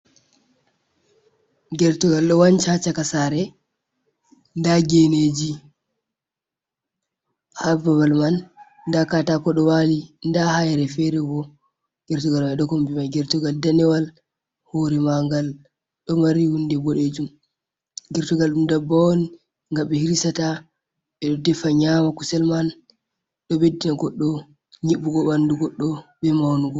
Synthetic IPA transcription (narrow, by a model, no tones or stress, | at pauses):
ɡɛɾtuɡalɗɔwant͡ʃat͡ʃakasaɾɛ | ndaɡened͡ʒi | hababalman | ndakatakɔɗɔwalindahajɾɛfɛɾɛɡɔ | ɡ̥ɛɾtuɡalmajɗɔkɔmbimajɡɛɾtuɡaldanɛwal | hoɾimaŋɡal | ɗɔmaɾihundɛbɔɗed͡ʒum | ɡɛɾtɔɡalɗumdabawoni | ŋɡaɓɛhiɾisata | ɓɛɗɔdɛfaɲamakusɛlman | ɗɔbedinaɡɔɗːɔ | ɲiɓːuɡɔbanduɡɔɗːɔbɛmawnuɡɔ